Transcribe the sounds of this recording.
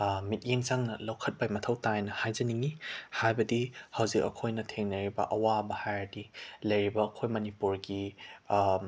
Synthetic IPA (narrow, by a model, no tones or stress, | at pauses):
mit̚jeŋt͡ʃaŋnɐlɐwkʰɐt̚bajmɐtʰɐwtajnɐhajzɐniŋihajbɐdihɐwzikɐ̰kʰojnɐtʰeŋnɐɾibɐ̰ʔɐwabɐhajdilɐjɾibɐːkʰojmɐnipuɾɡi